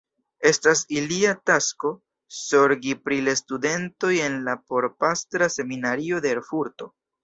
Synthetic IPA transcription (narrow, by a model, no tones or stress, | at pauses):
e̞stasiliatasko̞ | so̞ɾɡipɾilestude̞nto̞je̞nlapo̞ɾpastɾase̞minaɾio̞deːɾfuɾto̞